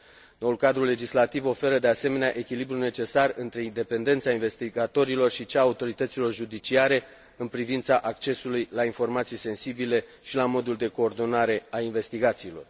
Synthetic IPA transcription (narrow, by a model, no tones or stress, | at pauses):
no̞ulkad̪ɾule̞d͡ʒislat̪ivo̞fe̞ɾəd̪e̞ase̞me̞neaʔe̞kʲilibɾune̞t͡ʃe̞sarɨnt̪ɾe̞ind̪e̞pe̞nd̪e̞nt̪sainve̞st̪iɡat̪o̞ɾilo̞rʃit͡ʃaːut̪o̞ɾit̪ət̪silo̞rʒud̪it͡ʃiaɾe̞ | ɨnpɾivint̪saʔak̚t͡ʃe̞sulujlainfo̞rmat̪sijse̞nsibile̞ʃilamo̞d̪uld̪e̞ko̞ːrd̪o̞naɾe̞ainve̞st̪iɡat̪siːlo̞r